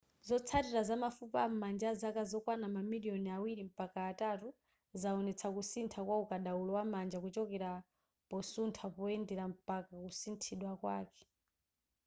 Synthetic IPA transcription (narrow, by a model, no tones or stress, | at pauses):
zɔt͡sʰatiɾazamafupamand͡ʒazakazɔkwanamamilijɔniawiɾim̩pakaːtatu | zaɔnɛt͡sʰakusintʰakwaukaɗaulɔwamand͡ʒakut͡ʃɔkɛɾa | pɔsuntʰapɔɛndɛɾam̩pakakusintʰiɗwakwa̰ːkɛ̥